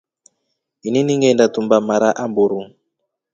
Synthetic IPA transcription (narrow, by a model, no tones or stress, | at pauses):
ɦininiŋɡɛndatumbamaɾaʔambuɾuŋ